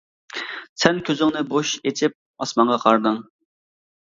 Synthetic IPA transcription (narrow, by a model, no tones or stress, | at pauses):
sɛnkʲʰøzɪŋnɪboʃet͡ʃʰɪp̚ | ɑsmɑɴʁɑqʰɑɾd̪ɨŋ